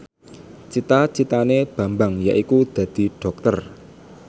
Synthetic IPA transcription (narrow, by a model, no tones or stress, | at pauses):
t͡ʃit̪at͡ʃit̪aneb̥ä̤mbaŋjaʔikud̪̥ä̤d̪̥i̤ɖ̥ɔ̤k̚t̪ər